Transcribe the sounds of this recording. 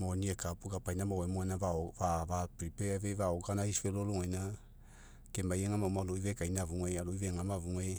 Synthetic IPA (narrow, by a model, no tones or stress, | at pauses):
moniekapuɡapajnamawemoanavaovavapɾipeavevaoɡanaiseloloŋajna | kemajeŋamaumaloivekajnavuŋealoiveŋamavuŋe